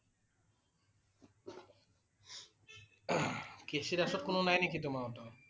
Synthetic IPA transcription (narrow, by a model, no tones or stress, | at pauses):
keʃiɾaʃot̪̚kononajnikit̪omaot̪o